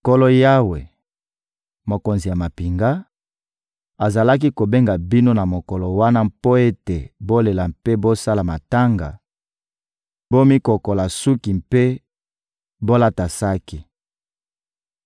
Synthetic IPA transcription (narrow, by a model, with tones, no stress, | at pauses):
ko˦lo˦ja˦we˨ | mo˨ko˨nzi˨ja˨ma˨pi˨ŋɡa˦ | a˨za˨la˦k̬i˦ko˨be˦ŋɡa˨bi˦no˦na˨mo˨kɔ˨lo˨wa˦na˦mpo˦e˦te˨bo˦le˨la˨mpe˦bo˦sa˦la˨ma˨ta˦ŋɡa̰˨ | bo˦mi˦ko˨ko˨la˨su˦ki˨mpe˦ | bo˦la˦ta˨sa˦ki˦